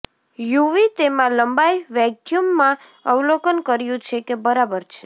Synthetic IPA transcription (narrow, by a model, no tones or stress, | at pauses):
juʋit̪emãləmbajʋɛkjumːã | əʋlokənkəɾjũt͡ʃʰekebəɾabəɾt͡ʃʰe̥